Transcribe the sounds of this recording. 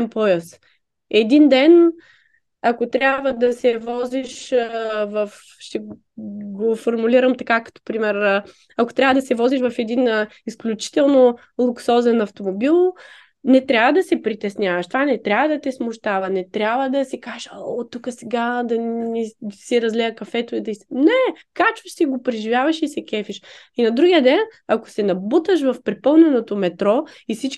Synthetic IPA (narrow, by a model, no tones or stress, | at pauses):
ɛmpɔjəs | ɛd̪ind̪ɛn | ɐkot̪ɾʲabvəd̪ɐsɛvɔziʃ | vəf | ʃt̪ɛ | ɡofoɾmuliɾəmt̪ɐkakɐ̥t̪o̥pɾimɛɾ | ɐkot̪ɾʲavəd̪ɐsɛvɔziʃvɐfɛd̪inisklʲut͡ʃi̥t̪ɛlˠno | lˠuksɔzɛnɐft̪omobilˠ | nɛt̪ɾʲabvɐd̪ɐsɛpɾit̪ɛsnʲavɐʃt̪ovanɛt̪ɾʲabvɐd̪ɐt̪ɛsmʊʃt̪avɐnɛt̪ɾʲabvəd̪ɐsikaʒɔt̪ukəsɛɡad̪ɐnisiɾɐzlɛəkɐfɛt̪ʊid̪ɐisnɛkat͡ʃʊ̥ʃsiɡopɾɛʒivʲjavɐʃisɛkʲɛfiʃ | inɐd̪ɾuɡijəd̪ɛnɐko̥sɛnɐbut̪əʃ̬vɐfpɾɛpɤlˠnɛnot̪omɛt̪ɾɔ | ifsit͡ʃ